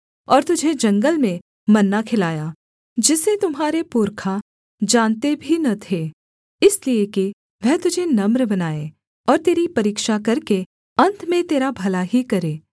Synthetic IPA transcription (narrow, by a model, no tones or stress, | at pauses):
ɔːɾt̪ʊd͡ʒʱed͡ʒɐ̃ŋɡəlmẽ | mɐnːakʰɪlaːjaː | d͡ʒɪset̪ʊmɦaːɾepʊɾkʰa | d͡ʒãːnt̪ebʱinɐt̪ʰeː | ɪslieki | ʋɛɦt̪ʊd͡ʒʱenɐmɾbɐnaːe | ɔːɾt̪eːɾipɐɾiːkʃakɐɾke | ɐ̃nt̪ʰmẽt̪eːɾabʱɐlaɦikɐɾeː